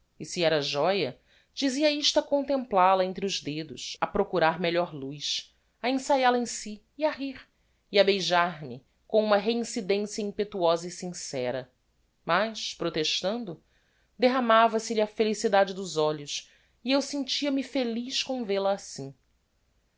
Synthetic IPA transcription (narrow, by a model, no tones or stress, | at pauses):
isiɛɾɐʒɔjɐ | d͡ʒiziɐiʃt̪akõnt̪ẽmplalɐẽnt̪ɾɪʊʒd̪ed̪ʊ̰ʃɐpɾokuɾaɾmeʎɔɾlujʃ | ɐẽsajalɐẽsiːaɦiɾ | iɐbejʒaɾmɪ | kõũmɐɦeĩsid̪ẽsijɐĩpet̪uɔzɐisĩsɛɾɐ | mɐʃpɾot̪eʃt̪ɐ̃nd̪ʊ | d̪eɦamavɐsɪʎɪɐfelisid̪ad͡ʒɪd̪ʊzɔʎʊs | iewsẽnt͡ʃiɐmɪfeliʃkõw̃velɐːsĩ